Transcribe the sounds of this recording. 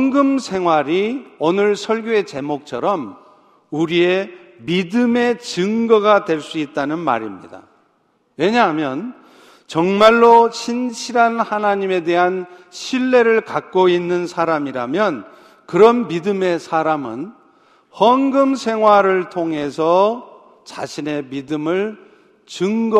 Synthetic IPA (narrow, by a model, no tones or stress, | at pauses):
ʌŋɡɯmsʰe̞ŋɦwaɾionɯɭsʰʌɭɡjoe̞t͡ɕe̞mok̚t͡ɕʰʌɾʌm | uɾie̞midɯme̞t͡ɕɯŋɡʌɡadwe̞ɭs͈uit̚t͈anɯnma̰ɾimɲida̰ | we̞ɲaɦamjʌn | t͡ɕʌŋmaɭːoɕʰinɕʰiɾanhanaɲime̞de̞ɦanɕʰiɭːe̞ɾɯɭkak̚k͈oinːɯnsʰaɾamiɾa̰mjʌn | kɯɾʌnːidɯme̞sʰaɾamɯn | hʌnɡɯmsʰe̞ŋɦwaɾɯɭtʰoŋɦe̞sʰʌ | t͡ɕa̰ɕʰine̞midɯmɯɭ | t͡ɕɯŋɡʌ